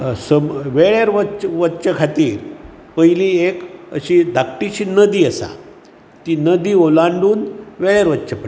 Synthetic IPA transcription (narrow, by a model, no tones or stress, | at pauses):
səmʋeɭaɾʋət͡ɕəʋətːɕəkʰat̪iːɾ | pəjliekə̰ɕid̪ʱak̚ʈiɕiːnəd̪iːəsa̰ | t̪iːnəd̪iːolaɳɖuːnʋeɭjaɾʋət̪ːɕʰəpə